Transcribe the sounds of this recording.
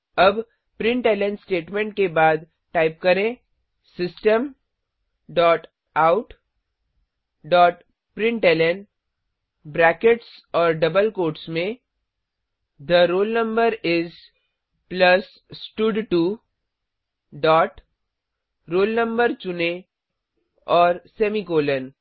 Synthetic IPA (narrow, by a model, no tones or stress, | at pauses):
ɐb | pɾɪ̃ɳʈelẽɳsʈeːʈmẽɳʈ̚kebaːd̪ | ʈaːɪp̚kɐɾẽ | sɪsʈə̃m | ɖɔːʈ | aʊʈ | ɖɔːʈ | pɾɪ̃ɳʈelen | bɾɛːkeʈsɔːɾɖɐbəlkoːɾʈsmẽ | d̪əɾoːlnə̃mbəɾɪz | plɐs | sʈʊɖʈu | ɖɔːʈ | ɾoːlnə̃mbəɾt͡ʃʊnẽ | ɔːɾsemikoːlən